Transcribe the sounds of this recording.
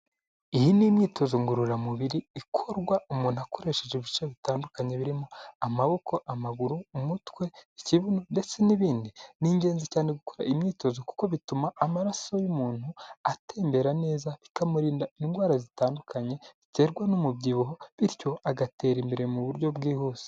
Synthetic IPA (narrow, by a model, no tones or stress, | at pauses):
ijinimɲiːtʰo̞zoŋɡuɾuɾamuβiɾiːkʰo̞ɾɡwaumuːn̥uako̞ɾe̞ʃeʒeβit͡ʃaβitaːndukaɲe̞βiɾimo̞amaβo̞kʰo̞ʔamaɡuɾumutwe̞iciβunonde̞t͡se̞niβiːndiniːɲɟe̞ːnzicaːneɡukoɾa̰ʔimɲiːto̞zoku̥ko̞βitumaːmaɾaso̞jumuːn̥huatʰe̞ːmbe̞ɾane̞ːzaβikamuɾiːndaiŋɡwaːɾazitaːndukʰaɲe̞βite̞ːɾɡwanomubɟiβoɦoβiɾjo̞aɡate̞ːɾimbeɾe̞muβuɾɟo̞bɡiːhuːse̥